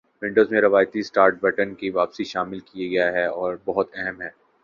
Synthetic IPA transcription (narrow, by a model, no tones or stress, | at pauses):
ʋɪ̃ɳɖəzmẽɾɐʋaːjt̪isʈaːɾʈ̚bɛʈənkiʋaːpsiʃaːmɪlkijaɡɐjaɦɛɔːɾbɐɦʊt̪ɛɦəmɦɛː